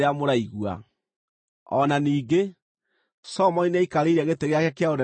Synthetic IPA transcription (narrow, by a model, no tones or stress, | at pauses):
eamoɾaiɣwa̰ | ɔ̰naniːɡe | sɔmɔineaikaɾeɾaɣeteɣeakɛkeaoɾɛ